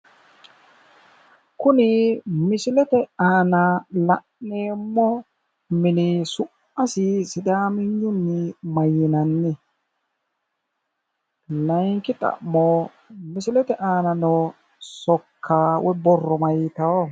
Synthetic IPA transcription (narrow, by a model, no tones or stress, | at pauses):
kʊnɪmɪsɪlɛt̪ɛaːnalɐʔneːmːɔ | mɪnɪsʊʔ | ɐsɪsɪd̪aːmɪɲːʊnːɪmɐjːɪnɐnːɪ | lɐjŋkɪt̪ʼɐ̰ʔmɔ | mɪsɪlɛt̪ɛʔaːnɐnɔ | sɔkʰːaːwʔɛbɔrːɔmɐjːɪt̪ɐwɔ